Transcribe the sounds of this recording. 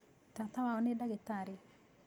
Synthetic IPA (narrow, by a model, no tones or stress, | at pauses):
t̪at̪awaɔnedaɡet̪aɾi